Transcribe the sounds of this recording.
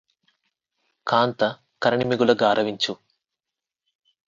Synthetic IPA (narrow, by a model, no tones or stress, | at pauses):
kʰaːnt̪ɐ | kɐɾɐɳimiɡulɐɡaːɾʔɐʋiɲt͡ʃu